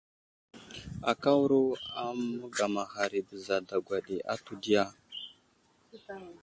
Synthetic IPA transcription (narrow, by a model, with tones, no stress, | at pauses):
a˨ka˦wu˦ɾu˦a˦mu˦ɡa˨ma˨ɦa˨ɾi˨bə˨za˨da˨ɡwa˨ɗi˨a̰˦tu˨di˦ja˦